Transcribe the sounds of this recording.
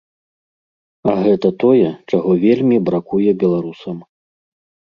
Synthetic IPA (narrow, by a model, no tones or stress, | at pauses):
ɐɣɛt̪ɐt̪ɔjɛt͡ʂaɣɔvʲelʲmʲibɾakujɛbʲɛlˠaɾusɐm